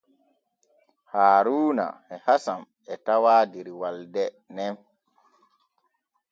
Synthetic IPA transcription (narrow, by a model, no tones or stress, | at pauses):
haːɾuːna̰ɛhasam | ɛtawaːdiɾiwaldɛ | nɛm